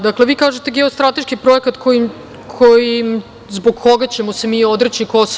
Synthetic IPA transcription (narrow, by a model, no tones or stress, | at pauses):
d̪akleʋiːkaːʒet̪eɡeost̪ɾat̪e̞ʃkipɾo̞ekat̪kʰoi | kʰojiim | zboɡko̞ɡat͡ɕe̞mosemiːo̞d̪ɾet͡ɕikos